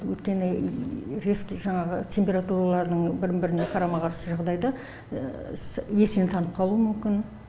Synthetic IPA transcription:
wɵ̰jt̪kʲe̞nɪɾeskʲʒɑɴɑʁət̪ʲʰe̞mpʲe̞ɾat̪uɾalˠɑɾd̪əɴbɪɾɪmbɪɾɪneqʰɑɾɑmɑʁɑɾsəʒɑʁd̪ɑjd̪ɑ | je̞sent̪ʰɑnəp̚qʰɑlˠuəmʏmkʲɪn

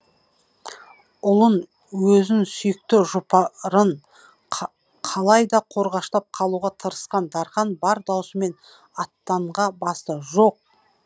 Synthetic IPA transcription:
ʊlˠən | wɵzɪnsʏjɪk̚t̪ɪʒʊpɑɾən | qʰɑlˠɑjd̪ɑqʰo̞ɾʁɑʃt̪ɑp̚qʰɑlˠuʁɑt̪ʰəɾəsqɑnd̪ɑɾχɑnbɑɾd̪ɑwsəme̞n | ɑt̪ːɑɴʁɑbɑst̪əʒoq̚

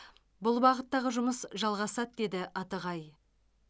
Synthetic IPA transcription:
bʊlˠbɑʁət̪ːɑʁəʒʊməsʒɑlˠʁɑsɑt̪̚d̪e̞d̪ɪʔɑt̪əʁɑj

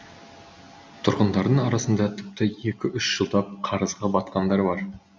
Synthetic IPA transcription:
t̪ʰʊɾʁənd̪ɑɾd̪əɴɑɾɑsənd̪ɑt̪ʰʏp̚t̪ɪje̞kʲɪʔʏʃʒ̥əlˠd̪ɑp̚qʰɑɾəzʁɑbɑt̪qɑnd̪ɑɾbɑɾ

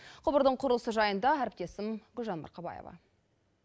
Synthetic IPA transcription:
qʰʊbəɾd̪əɴqʰʊɾəlˠəsəʒɑjənd̪ɑæɾɪp̚t̪e̞sɪmɡʊlʒɑnmɑ̰ɾqʰɑbɑ̰jḛvɑ̰

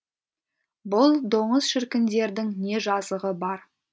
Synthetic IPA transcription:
bʊlˠd̪o̞ɴəzʃɪɾkʲɪnd̪e̞ɾd̪ɪŋne̞ʒɑzəʁəbɑɾ

